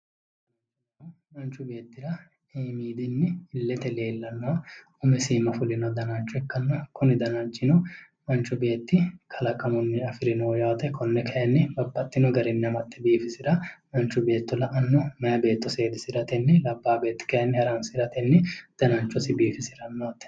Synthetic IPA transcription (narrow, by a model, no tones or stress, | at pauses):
ɐ | mɐnt͡ʃːʊbe̞ːt̪ːɪɾɐ | miːd̪ɪnːɪːlːɛt̪ɛle̞ːlːɐnːɐɐ | ʊmɛsiːmɐfʊlɪnɐd̪ɐnɐnt͡ʃːʊɛkːɐnːɐkʰʊnɪd̪ɐnɐnt͡ʃʼːɪnɔ | mɐnt͡ʃːʊbe̞ːt̪ːɪkʰɐlɐkʼɐmɔnːɪɐfɪɾɪnoːjoːt̪ɛkʰɔnːɛkʰɐjɐnːɪbɐbːɐt̪ʼːɪnɔɡɐɾɛnːɐmɐt̪ʼːɛbiːfɪsɪɾɐmɐnt͡ʃːʊbe̞ːt̪ːɔlɐʔɐnːɔmɐjɐbe̞ːt̪ːɔse̞ːd̪ɪsɪɾɐt̪ɛnːɪlɐbːaːbe̞ːt̪ːɪ̥kɐjɐnːɪhɐɾɐmsɪɾɐt̪ɛnːɪd̪̥ɐnɐnt͡ʃːɔsɪbiːfɪsɪɾɐnːoːt̪ːɛ̥